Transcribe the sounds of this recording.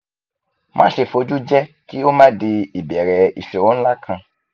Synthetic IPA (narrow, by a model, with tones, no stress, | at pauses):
mʔã̰˦ʃe˨fo˧d͡ʒu˦d͡ʒɛ˦ | ki˦wo˦mã˦de˧i˨bɛ˨ɾɛ˨ḭ˨ʃɛ˨wɔ̃˦n̩˦la˦kʰã˧